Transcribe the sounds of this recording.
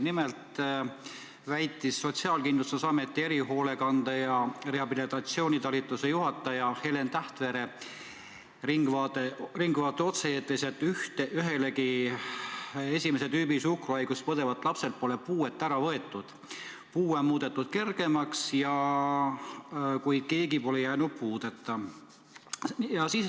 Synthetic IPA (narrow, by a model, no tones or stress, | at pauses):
nimelt̪ | væjt̪ːˑisːo̞t̪siɑːlkind̪lust̪usɑme̞t̪ːˑie̞ɾiɦo̞ːle̞kɑnd̪̥ɑjɑre̞ɑbilit̪ːˑɑt̪sio̞ːnʲit̪ɑlit̪ːˑuse̞juɦɑt̪ːˑɑjɑhe̞le̞nt̪æht̪ve̞ɾe | riŋɡvɑːt̪eriŋɡvɑːt̪ːˑeo̞t̪seeːt̪ːˑeset̪ːˑyht̪eʔyɦe̞le̞ki | e̞sʲimese̞d̪yːbisukrɑjɡ̥uspɤd̪e̞vɑt̪ːˑlɑpse̞lt̪̚po̞le̞puːet̪ːˑæɾɑvɤe̞t̪ˑːud̪̥ | puːenmuːd̪̥e̞t̪ˑːud̪̥ke̞rɡ̥e̞mɑksjɑ | kujke̞ːɡipo̞lejæːnud̪̥̚puːd̪̥et̪ːɑ | jɑsis